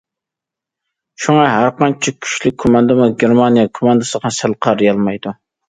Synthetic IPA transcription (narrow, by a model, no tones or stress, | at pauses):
ʃuŋɑɦæɾqɑnt͡ʃʰikʲʰy̥ʃlɪk̚ʲkʰːomɑnd̪ɨmʊɡʲeɾmɑnijɑkʰomɑnd̪ɨsəʁɑsælˠqʰɑɾjɑlˠmɑjd̪u